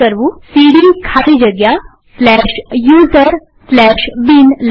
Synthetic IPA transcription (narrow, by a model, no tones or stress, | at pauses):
əɾʋusiɽiŋɡkʰat̪ed͡ʑəɡja | slɛɕjuːzəɾ | slɛɕbinl